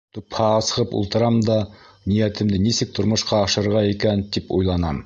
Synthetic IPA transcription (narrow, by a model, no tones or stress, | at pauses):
t̪uphɑɑsɤʁɤpṵlˠt̪ɤ̆ɾɑmd̪ɑnijæt̪ɘ̆md̪ɘnisɘk̚t̪ʰŏɾmŏʃqɑːʃɤ̆ɾʁɑikænt̪ipṵjlˠɑnɑ̰m